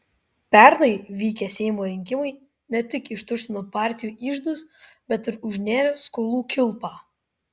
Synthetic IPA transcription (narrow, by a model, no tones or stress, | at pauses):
pʲɛɾnɐɪʋʲiːkʲɛsʲɛɪmoːɾʲɪŋʲkʲɪmɐɪ | nʲɛt̪ʲɪkɪʃt̪ʊsʲɪnoːpɑːˑɾʲt̪ʲɪjuːʔiːʒd̪ʊsbʲɛt̪ɪɾʊʒʲnʲeːɾʲskoːlˠuːkʲɪlˠˑpɑː